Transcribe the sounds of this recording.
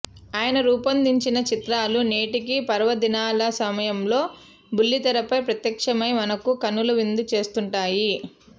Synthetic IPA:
aːjɐnɐɾuːpɐnd̪iɲt͡ʃinɐt͡ʃit̪ɾaːlune̞ːʈikipɐɾʋɐd̪inaːlɐsɐmɐjɐmlo̞ː | bulːit̪ɐɾɐpɐjpɾɐt̪jɐkʂɐmɐjmɐnɐkukɐnːuluʋind̪ut͡ʃe̞ːst̪uɳʈaːji

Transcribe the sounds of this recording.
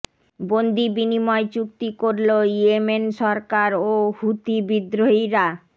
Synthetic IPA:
bond̪ʱibinimɔet͡ɕuk̚t̪ikoɾloiemenʃɔɾkaɾohut̪ibid̪ɾoɦiɾa

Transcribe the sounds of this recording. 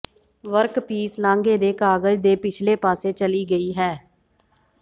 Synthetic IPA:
ʋəɾkpiːslãːŋɡeːd̪eːkaːɡəd͡ʒd̪eːpɪt͡ʃʰleːpaːseːt͡ʃəliːɡəiːɦɛː

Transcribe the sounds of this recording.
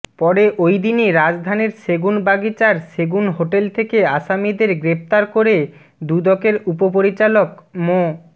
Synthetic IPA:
pɔɾeʔojd̪iniɾad͡ʑd̪ʱaneɾseɡunbaɡit͡ɕaɾseɡunɦoʈelt̪ʰekeaʃamid̪eɾɡɾept̪aɾkoɾe | d̪ud̪ɔkeɾupopoɾit͡ɕalokmo

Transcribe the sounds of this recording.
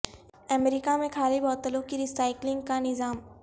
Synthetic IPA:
ɐmeɾikamẽkʰaːlibɔːt̪əlõkiɾiːsaːɪklɪ̃ŋɡkanɪzaːm

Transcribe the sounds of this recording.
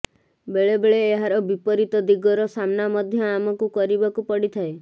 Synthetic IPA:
beɭebeɭeːɦaɾɔbipɔɾit̪ɔd̪iɡɔɾɔsamnamɔd̪ʱjɔamɔkukɔɾibakupɔɽit̪ʰae

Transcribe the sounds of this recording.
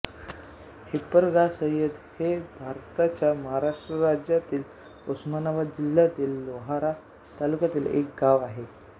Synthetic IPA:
hipəɾɡasə̃jəd̪hebʱaɾt̪at͡ɕjaməɦaɾaʂʈɾəɾad͡ʑjat̪iːl | usmanaʋad̪̚d͡ʑil̤ːjat̪iːlːoɦaɾa | t̪alukat̪iːlḛkɡaʋaɦe

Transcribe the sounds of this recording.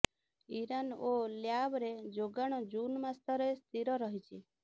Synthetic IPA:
iɾanoljabɾed͡ʒoɡaɽ̃ɔd͡ʒunmast̪ɔɾest̪ʰiɾɔɾɔɦit͡ʃʰi

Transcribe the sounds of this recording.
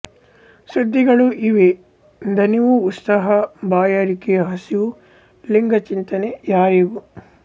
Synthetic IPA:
sud̪ːiɡɐɭuʔiʋe | d̪ʱɐniʋuːt̪sɐɦɐbaːjɐɾikijɐɦɐsiu | liŋɡɐt͡ʃint̪ɐnejaːɾiɡu

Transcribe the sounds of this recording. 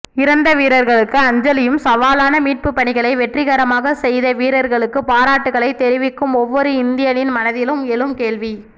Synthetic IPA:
ɪɾɐnd̪ɐʋiːɾɐɾɣɐɭɯkːɯɐɲd͡ʒɐlɪjɯmsɐʋaːlaːnɐmiːʈ̚pɯpːɐɳɪɣɐɭɐɪʋɛʈrɪɣɐɾɐmaːɣɐsɛjðɐʋiːɾɐɾɣɐɭɯkːɯpaːɾaːʈːɯɣɐɭɐɪt̪ːɛɾɪʋɪkːɯmɔʋːɔɾɯɪnd̪ɪjɐnɪnmɐnɐðɪlɯmɛlɯmkeːɭʋi

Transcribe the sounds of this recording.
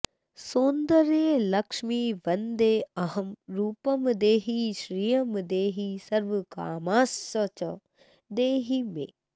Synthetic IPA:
sũːnd̪əɾẽlɐkʃmiʋɐnd̪eɐɦɐmɾuːpəmd̪eːɦiʃɾijɐmd̪eːɦisɐɾʋka̰ːmaːsːɐt͡ʃɐ | d̪eːɦimḛ̃ː

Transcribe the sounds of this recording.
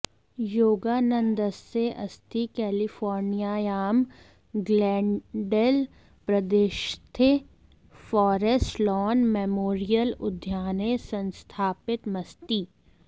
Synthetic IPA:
joːɡaːnə̃nd̪əseʔɐ̰st̪ʰikɛːlifɔːɾnijaːjaːm | ɡlɛ̃ːɖel | pɾəd̪eʃt̪ʰe | fɔːɾesʈlɔːnmemoːɾijəlʊ̰d̪ʱjaːnesə̃nst̪ʰaːpɪt̪mɐst̪iː

